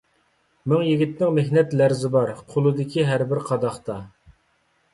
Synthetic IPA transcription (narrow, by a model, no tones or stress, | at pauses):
mɪŋjiɡʲit̪nɪŋmehnɛt̪læɾzɪbɑɾqʰolˠɨd̪ɪkʲʰiɦæɾbɪɾqʰɑd̪ɑχt̪ɑ